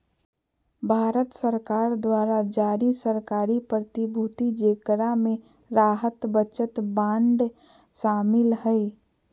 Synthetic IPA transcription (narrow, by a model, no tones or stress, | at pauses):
bʱaːɾət̪səɾkaːɾd̪waːɾad͡ʒaːɾisəɾkaːɾipɾət̪ibʱut̪id͡ʒeːkɾamẽ | ɾaːɦət̪bət͡ʃət̪bãːɳɖ | ʃaːmɪlɦɛɪ